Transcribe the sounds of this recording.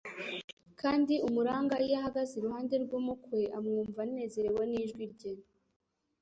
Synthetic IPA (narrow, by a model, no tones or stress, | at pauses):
kʰaːndiumuɾaːŋɡajaɦaɡaziɾuhaːnde̞ɾɡwumukweʔamŋuːɱvane̞ːze̞ɾewaniːʒɡwiɾɟen